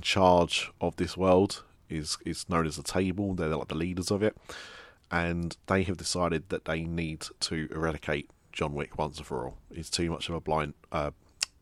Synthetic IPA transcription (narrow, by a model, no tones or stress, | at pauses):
t͡ʃʰɑːd͡ʒʔəvðɪswɜːlˠd | ɪz̥ɪznə̃ʊ̃nəzətʰeɪbəlˠðəðlaɪk̚ðəliːdəzəvɪt̚ | ʔə̃nðeɪəvdɪsaɪɾɪd̪̚ðəʔðeɪniːdtʰəʔɪɹaɾɪkʰeɪʔd̥ʒ̥ɒ̃nwɪkʰwʌ̃nsəfəɹɔ̰lˠɪtz̥tʰʉːmʌ̰t͡ʃəvəblãɪ̃nʔʔʌ